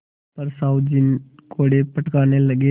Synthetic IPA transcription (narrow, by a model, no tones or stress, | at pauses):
pəɾsaːʊd͡ʒɪnkoːɽepəʈkaːneləɡe